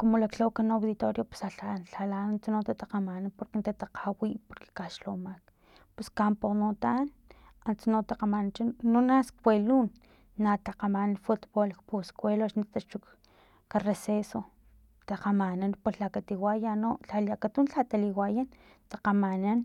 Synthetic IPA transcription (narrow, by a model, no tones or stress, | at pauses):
komolakɬawkanawd̪ðit̪oɾjope̥saɬanɬalanant͡sanot̪at̪aqamananpoɾkent̪at̪aqʰawipoɾke̥kaʃlomak̚ | pweskamponot̪an | ant͡sanot̪aqamanant͡ʃanonaskwelunː | at̪aqamanfut̪bolkposkʷeloʃnit̪at͡ʃuk | kareseso | t̪aqamananpolakat̪iwajanoɬaliakat̪unɬat̪aliwajan | t̪aqamanan